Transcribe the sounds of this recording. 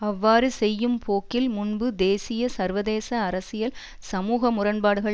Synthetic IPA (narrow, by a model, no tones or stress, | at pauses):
ɐʋːaːɾɯsɛjːɯmpʰoːkɪlmʊnbɯd̪eːsɪjɐsɐɾʋɐðeːsɐːɾɐsɪjɐl | sɐmuːɣɐmʊrɐnbaːɽɯɣɐɭ